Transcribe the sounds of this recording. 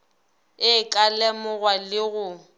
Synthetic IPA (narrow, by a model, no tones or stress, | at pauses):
ɪkʼalɛmʊɣwalɪɣʊ